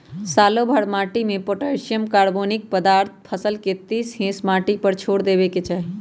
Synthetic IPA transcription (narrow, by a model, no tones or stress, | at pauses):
salobʱəɽmaʈimepoʈəɾsijəmkaɾbonik̚pəd̪aɾt̪ʰpʰəsəlket̪isɦẽsmaʈipəɾt͡ʃʰoɽd̪ebeket͡ʃʰaɦi